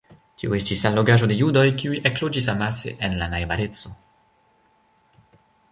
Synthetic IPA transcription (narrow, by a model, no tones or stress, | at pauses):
tioe̞stisalo̞ɡaʒo̞de̞judo̞jkiuiʔeklod͡ʒisamasḛʔenlanajbale̞t͡so